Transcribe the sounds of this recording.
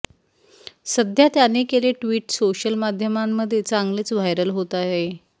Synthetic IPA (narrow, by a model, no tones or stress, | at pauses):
səd̪ʱjat̪janekeleʈʋiːʈsoɕəlmad̪ʱjəmamːəd̪ʱːjet͡saŋɡlet͡sʋ̤ajɾəlɦot̪ae